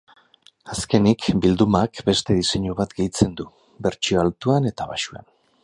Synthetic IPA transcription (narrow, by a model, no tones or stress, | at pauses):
aske̞nikbild̪umakbe̞st̪e̞ðise̞ɲuβat̪ɡe̞jt͡se̞nd̪u | be̞ɾt͡ʃioalt̪uane̞t̪aβaʃua̰n